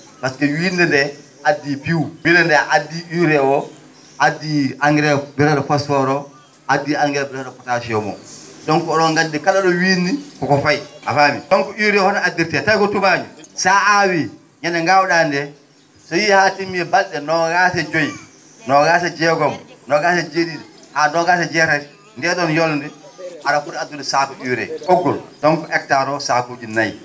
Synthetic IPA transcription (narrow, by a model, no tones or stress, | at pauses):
paskɛwiːndɛndɛ | adːipiwwilɛndɛʔadːiʔiɾɛwɔ | ʔadːiaŋɡɛɾɛbɛɾalɔfasɔɾɔ | ʔadːiaŋɡɛlɛbɛɾalɔfɔtasiɔmɔ̰ɗɔnkɔɗɔŋɡadːikaɗaɗɔwiːndikɔkɔfajʔa̰faːmiɗɔŋkɔiɾɛhɔnaadːiɾtɛtajkɔtumad͡ʒusaawi | ɲɛnɛŋɡawɗandɛ | sɔjihatimːiɛbalɗɛnɔɡasɛd͡ʒoj | nɔɡaːs̬ɛd͡ʒɛɡɔmnɔɡasɛd͡ʒedinɛ | hadɔɡasɛd͡ʒɛtaɾi | ndɛɗɔnjɔlndɛʔaɾafuɾɛadːunɛsakɔʔiwɾɛ̰kɔɡːɔltɔnkɔʔɛk̚taɾɔsakud͡ʒinaj